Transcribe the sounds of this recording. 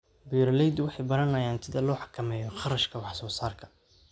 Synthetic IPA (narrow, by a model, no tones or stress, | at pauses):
biːɾlɛjd̪wɑħɑjbɐɾɐnɐjaːnsɪðɐlɔːħɑ̥kʰɐmɛːjɔχɑrɐʃkʰɐwɑħsɔːsaːrkʰɐ̥